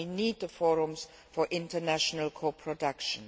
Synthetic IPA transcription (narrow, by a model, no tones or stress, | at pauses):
iniːd̪̚ðəfɔɹə̃mz̥ | fəɹʔɪ̃ntənæʃənəlˠkʰoʊpʰɹ̥ədʌkʃə̃n